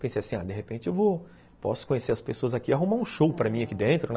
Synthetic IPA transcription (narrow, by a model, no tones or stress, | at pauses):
pẽsejaɐsĩa̰d̪eɦepẽnt͡ʃɪewvo | pɔ̰sʊ̥kõɲeseɾɐspesoɐzakiaɦumaũʃowpɾɐmĩɐkid̪ẽnt̪ɾʊn